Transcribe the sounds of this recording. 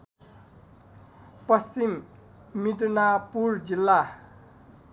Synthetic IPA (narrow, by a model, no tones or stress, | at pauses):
pʌst͡sim | miʈnapurd͡zilːa